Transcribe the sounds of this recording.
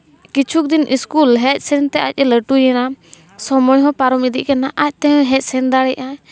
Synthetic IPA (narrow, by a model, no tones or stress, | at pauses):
kit͡ʃʰuk̚d̪inʔiskulɦɛt̪̚sɛnt̪ɛʔac̚ˀɛləʈujɛna | sɔmɔjɦɔ̃paɾɔmid̪iʔkanaʔac̚ˀt̪ɛɦɦɛt̪̚ˀsɛnd̪aɽɛʔʔa